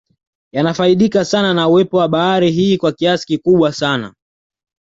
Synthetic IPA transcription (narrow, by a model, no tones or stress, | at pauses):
janafaiɗikasananauwɛpɔwaɓaaɾiɦiːkwakiasi̥kikuɓwasana̰